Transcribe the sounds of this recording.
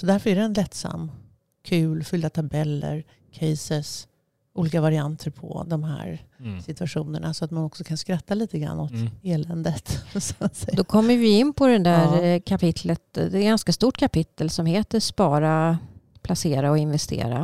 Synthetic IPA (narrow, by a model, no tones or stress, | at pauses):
sɔd̪æɾfœɾæɖ̪ɛnlɛt̪ːsa̰mː | kʰʉːlfʏld̪at̪ʰabɛlːə̰ɾ | kʰɛjsəs | ʔuːliːkavaɾɪant̪ʰəɾpʰɔ̰d̪ɔmhæ̰ːɾsɪt̪ɵaɧuːnə̰ɳasɔat̪manɔksɔkʰanskɾat̪ʰːaliːt̪əɡɾa̰nːɔt̪eːlɛnd̪ət̪sat̪sɛjd̪ɔkʰɔmːəɾvɪɪnːpʰɔd̪ɛnd̪æɾkʰapɪt̪ʰlət̪ɛɡanskast̪uːʈkʰapɪt̪ːəlsɔmheːt̪əspɑːɾapʰlaseːɾaɔɪnvɛst̪ʰḛːɾa̰